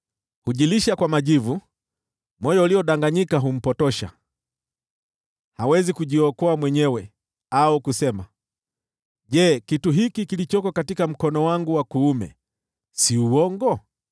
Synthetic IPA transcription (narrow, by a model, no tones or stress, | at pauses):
huʄiliʃakwamaʄivu | mɔjɔuliɔɗaŋɡaɲikaɦum̩pɔtɔʃa̰ | hawɛzikuʄiɔkɔamwɛɲɛwɛ | aɔkusɛma | ʄɛːkituɦikikilit͡ʃɔkɔkatikam̩kɔnɔwaŋɡuwakuumɛ̰ | siuwɔŋɡɔ